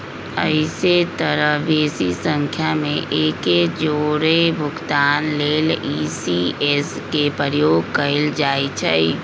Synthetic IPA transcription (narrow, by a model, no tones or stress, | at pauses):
əɪset̪əɾəʋeːsisə̃ŋkʰjamḛ̃ʔeːked͡ʒoːɾebʱʊkt̪aːnleːliːsieːs | kepəɾjoːɡ̚kɐɪld͡ʒaːit͡ʃʰəi